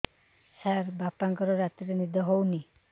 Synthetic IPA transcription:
saɾbapaŋkɔɾɔɾat̪iɾenid̪ʱɔɦowni

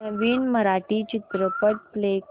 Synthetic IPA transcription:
əʋiːnməɾaʈiːt͡ɕit̪ɾəpəʈ̚plek

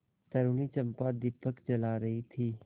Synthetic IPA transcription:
t̪ɐɾunit͡ʃɐ̃mpad̪ɪpəkt͡ʃɐlaːɾɐɦit̪ʰiː

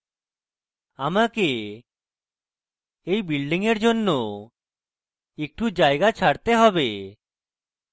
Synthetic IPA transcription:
amake | ejbilɖiŋeɾd͡ʒonːo | ek̚ʈud͡ʒajɡat͡ʃʰaɽt̪eɦɔbe

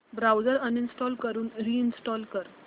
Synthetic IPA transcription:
bɾawd͡zəɾəninsʈɔlkəɾuːnɾiːinsʈɔlkəɾ

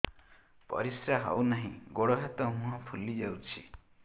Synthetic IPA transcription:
pɔ̰ɾisɾaɦɔ̰wnaɦĩɡoɽɔɦet̪ɔmũɦɔ̃pʰulid͡ʒawt͡ʃʰḭ

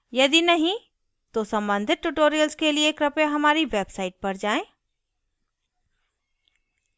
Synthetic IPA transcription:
jɐd̪inɐɦĩ | t̪osɐ̃mbə̃nd̪ʱɪt̪̚ʈuʈoːɾijəlskelieːkɾɐpjaɦɐmaːɾiʋeːbsaːiʈ̚pɐɾd͡ʒaːẽː

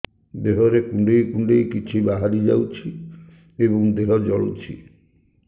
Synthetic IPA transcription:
d̪eɦɔɾekuɳɖejkuɳɖejkit͡ʃʰibaɦaɾid͡ʒawt͡ʃʰi | eβɔŋd̪eɦɔd͡ʒɔɭut͡ʃʰḭ

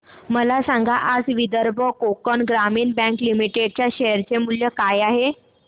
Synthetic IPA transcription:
məlasãŋɡaʔad͡zʋid̪əɾbʱəkokənɡɾamiːnbɛ̃ŋklimiʈeɖ̚t͡ɕjaɕeəɾt͡ɕemuljəkajaɦe

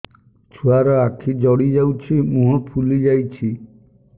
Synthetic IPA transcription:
t͡ʃʰuaɾɔakʰid͡ʒɔɽid͡ʒawt͡ʃʰimũɦɔpʰulid͡ʒajt͡ʃʰi

